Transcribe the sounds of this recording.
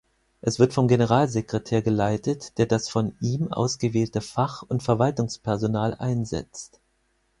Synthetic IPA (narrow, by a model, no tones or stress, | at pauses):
ʔɛsv̥ɪɐtfɔmɡenəʁ̞aːlzekʁ̥etʰeːɐɡəlaɪtətd̥eːɐdasfɔnʔiːmʔa̰ʊsɡ̥əveːltəfaχʊntfɛɐvaltʊŋspʰɛɐzonaːlʔa̰ɪnzɛ̰t͡st